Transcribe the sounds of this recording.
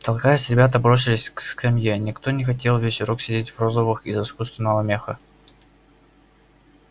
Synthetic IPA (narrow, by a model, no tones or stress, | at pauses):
t̪ɐlˠkajəsʲɾʲɪbʲat̪̬əbɾo̞sʲɪlʲɪsʲkskɐmʲjenʲɪkt̪o̞nʲɪxɐtʲe̞lˠvʲesʲɾoksʲɪdʲetʲvrozəvɨxizɨskust̪vənəlˠɐmʲe̞xə